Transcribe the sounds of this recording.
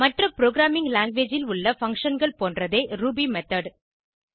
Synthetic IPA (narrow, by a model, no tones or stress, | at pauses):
mɐʈrɐpɪɾoːɡɾaːmɪŋɡlaːŋɡʋeːd͡ʒɪlʊɭːɐfɐŋkʂɐnɡɐɭpoːndrɐðeːɾuːbiːmɛt̪ɐɖ